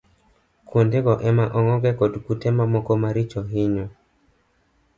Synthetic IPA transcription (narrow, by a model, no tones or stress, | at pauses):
kwondeɡɔʔɛmaʔɔŋɔɡɛkɔdkutɛmamɔkomaɾit͡ʃɔɦɪɲɔ